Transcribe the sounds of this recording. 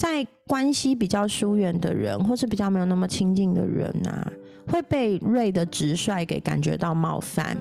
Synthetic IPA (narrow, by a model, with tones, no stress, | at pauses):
t͡sa˥˩ɪ | kwa˦nɕi˥p̬i˨˩t͡ɕjɑ˥˩ʊʂu˦ɥɛ˥˨˩nd̪ə̰˨˩ɻə̰˧˦nxwɔ˥˧ʂɻ̩˥˩pi˨˩t͡ɕjɑ˥˩me˧˥jna˥˩mə˨t͡ɕʰi˦ŋt͡ɕi˥˩ŋd̪ə̰˩ɻə̰˧˦nɐ̰˨˩ | xwe˥˧ɪpe˥˧ɪɻe˥˨˩ɪd̪ə˩ʈ͡ʂɻ̩˧˦ʂwa˥˩ɪke˨˥ɪka̰˨˩nt͡ɕɥɛ̰˧˦t̪ɑ˥˧ʊmɑ̰˥˧ʊfa̰˥˨n